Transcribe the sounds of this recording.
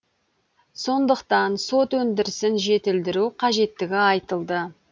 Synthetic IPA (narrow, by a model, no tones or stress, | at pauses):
so̞nd̪əqt̪ɑnso̞t̪wɵnd̪ɪɾɪsɪnʒe̞t̪ɪld̪ɪɾuqʰɑʒe̞t̪ːɪɡʲɪɑjt̪əlˠd̪ə